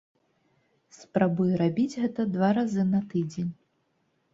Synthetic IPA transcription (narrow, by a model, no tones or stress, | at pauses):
spɾabujɾabʲid͡zʲɣɛt̪ɐd̪vaɾazɨnɐt̪ɨd͡zʲenʲ